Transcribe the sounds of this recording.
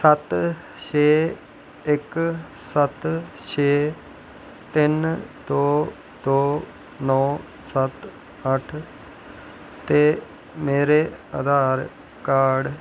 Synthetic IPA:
sət̪ | t͡ʃʰeː | ɪksət̪ | t͡ʃʰeː | t̪ɪnd̪oː | d̪oː | nɔː | sət̪ | əʈʰ | t̪eː | meːɾeːə̰d̪aːɾ | kaːɖ

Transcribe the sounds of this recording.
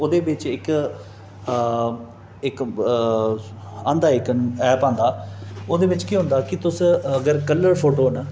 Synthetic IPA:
oːd̪eːʋɪt͡ʃɪk | ɪk | ãːnd̪aːɪːkənɛːpãːnd̪aːoːd̪eːʋɪt͡ʃkiːɦʊ̃nd̪aːkɪt̪ʊsəɡəɾkəlːəɾpʰoːʈoːn

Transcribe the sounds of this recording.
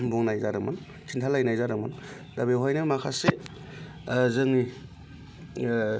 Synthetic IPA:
bɔŋnajzaɾɯman | kʰintʰalajnajzaɾɯŋman | dabeɦɔjnɯmakʰase | zɯŋni

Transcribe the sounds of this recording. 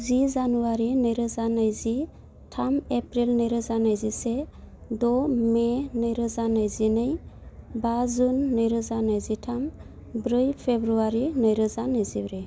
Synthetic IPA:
zizanuwaɾinɯjɾɯzanajzi | tʰamepɾilnɯjɾɯzanajzisedɔmenɯjɾɯzanajzinɯjbazunːɯjɾɯzanajzitʰam | bɾɯjpʰebɾuaɾinɯjɾɯzanɯjzibɾe

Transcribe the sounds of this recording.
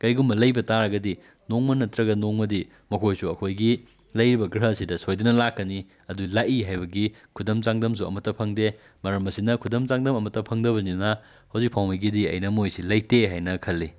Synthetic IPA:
kɐjɡumbɐlɐjbɐtaɾɐɡɐdi | noŋmɐnɐtɾɐɡɐnoŋmɐdi | mɐkʰojsuɐkʰojɡi | lɐjɾibɐɡɾɦɐsidɐsojdunɐlakːɐni | ɐdulaʔiɦajbɐɡi | kʰudɐmt͡ʃaŋdɐms̬uɐ̰mɐtːɐpʰɐŋde | mɐɾɐmɐsinɐkʰudɐmt͡ʃaŋdɐmɐmɐtːɐpʰɐŋdɐbɐninɐ | hɐwzik̚pʰawmiɡidiɐ̰jnɐmojsilɐjteɦajnɐkʰɐlːi

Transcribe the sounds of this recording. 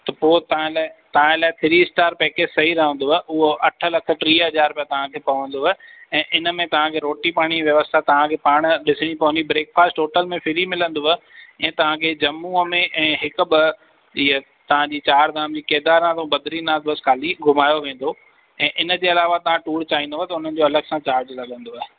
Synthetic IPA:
t̪ɐpoːt̪ɐ̤ãlaːt̪ɐʋ̤ãɪlaːɪt̪ʰɪɾisʈaːɾpɛːkeːd͡ʑsɐɦiɾɐɦə̃nd̪oːɦʔʊɦoʔɐʈʰə̆lɐkʰə̆ʈɾiːɦɐd͡ʑaːɾpijãt̪ɐʋ̤ãkʰeːpɐʋə̃n̆d̪oːɦɪɛ̃ːʔɪnə̆mẽt̪ɐʋ̤ãkʰeːɾoːʈipaːɽ̃iʋjɐʋəst̪ʰat̪ɐʋ̤ãkʰeːpaːɽ̃ɗɪsɪɽ̃ipɐʋə̃ɲd͡ʑibɾeːkfaːsʈʈoːʈəlmẽfʰɪɾimɪlə̃nd̪oːɦɛ̃ːt̪ɐʋ̤ãkʰeːd͡ʑɐmːuːəmẽʔɛ̃ːɦɪkʊ̆bɪ | iə | t̪ɐʋ̤ãd͡ʑiːt͡ɕaːɾd̪aːmd͡ʑiːkeːd̪aːɾãt̪õbɐd̪ɾinaːd̪əskʰaːliɡʱʊmaːjoʋẽːn̆d̪o | ɛ̃ːʔɪnə̆d͡ʑeːɐlaːʋat̪ɐʋ̤ãʈuːɽt͡ɕaːĩnd̪oːt̪ɐʊn̤ən̆d͡ʑoɐləɡsãt͡ɕaːɾd͡ʑlɐɠə̃nd̪oːɦ

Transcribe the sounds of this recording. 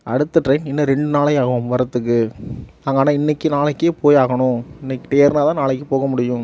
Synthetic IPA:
ʔɐ̰ɽɯt̪ːɯʈɾɐɪnɪnːɐɾɛɳɖɯnaːɭɐɪaːɣɐʋʊmʋɐɾɐt̪ːɯkːɯ | aːŋɡaːnːaːɪnːɐkːɯnaːɭɐkːeːpoːjaːɣɐɳʊ̃ɪnːɛkːɪʈ̪ejɐɾnaːt̪ãːnaːɭɐk̬ːɯpoːɣɐmʊɽɪjʊ̃

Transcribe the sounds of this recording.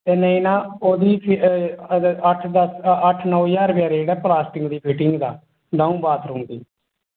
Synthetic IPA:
ɛːnẽːinãːoːd̪iːpʰ | əʈʰd̪əsəʈʰnəːijaːɾbjaːɾd͡ʒeːɽɛːplaːsʈɪŋɡd̪iːpʰiːʈɪŋɡd̪aː | ɖaːũːbaːt̪ʰɾuːmd̪iː

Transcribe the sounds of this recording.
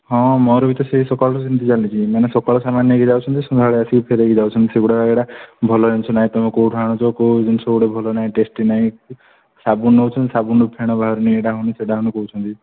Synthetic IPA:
ɦɔ̃mɔɾɔbit̪ɔseɦisɔkɔɭɔɾɔsint̪id͡ʒalit͡ʃʰimanesɔkɔɭɔsamanjɔɡid͡ʒawt͡ʃʰɔnt̪isundʱaɭeasipʰeɾeɡid͡ʒawt͡ʃʰɔnt̪iseɡuɽaeɽabʱɔlɔd͡ʒent͡ʃʰɔnaĩt̪ɔmekowʈʰaɽ̃ɔt͡ʃʰɔkoud͡ʒunsʰɔɡuɽebʱɔlɔnaĩʈesʈinaɦĩ | sabunːɔwt͡ʃʰɔnt̪isabunupʰeɽ̃ɔbʱaɾɔnieʈaɦuniseɖaɦunikɔut͡ʃʰɔnt̪i

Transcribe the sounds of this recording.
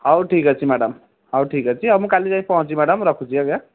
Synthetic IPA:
ɦʌwʈʰikʌt͡sʰimaɽʌm | ɦʌwʈʰikʌt͡sʰiʌmũkalit͡saĩpʌɦũt͡simaɽʌmɾʌkʰũt͡sʰiʌɡa

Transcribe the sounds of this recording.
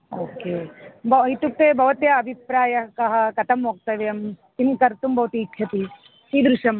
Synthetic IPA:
oːkeːbʱɐit̪uk̚t̪eːbʱɐʋɐt̪jɐːbʱipɾaːjɐkɐɦɐ̆kɐt̪ʰɐmɦoːɡ̚t̪ɐʋeɐmt̪inkɐɾt̪umbʱɐʋɐt̪iːtʰjɐt̪i | t̪iːd̪ɾuʂɐm

